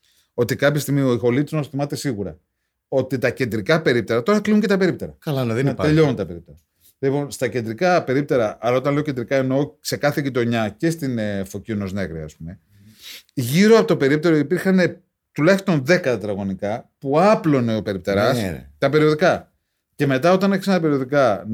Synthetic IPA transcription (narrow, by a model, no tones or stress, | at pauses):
o̞t̪ikɐpçɐst̪iɣmio̞ixo̞lit̪izmɐsθimɐt̪e̞siɣuɾɐ̰ | o̞t̪it̪ɐce̞nd̪ɾikɐpe̞ɾip̚t̪e̞ɾɐt̪o̞ɾɐkliuɲce̞t̪ɐpe̞ɾipt̪e̞ɾɐkɐlɐnðeneʎo̞nunt̪ɐpe̞ɾip̚t̪e̞ɾɐ | lipo̞nst̪ɐce̞nd̪ɾikɐpe̞ɾip̚t̪e̞ɾɐʔɐɾɐo̞t̪ɐnle̞ocend̪ɾikɐeno̞se̞kɐθeʝit̪oɲɐce̞st̪inefo̞cino̞zne̞ɣɾiɐspume̞ | ʝiɾo̞ɐpot̪ope̞ɾip̚t̪e̞ɾo̞ipiɾxɐne | t̪ulɐçist̪o̞nðe̞kɐt̪ɐt̪ɾɐɣo̞nikɐpuɐplo̞ne̞ope̞ɾipt̪eɾɐst̪ɐpe̞ɾio̞ðikɐ | ce̞me̞t̪̬ɐo̞t̪ɐneçisenɐɐpe̞ɾio̞ðikɐ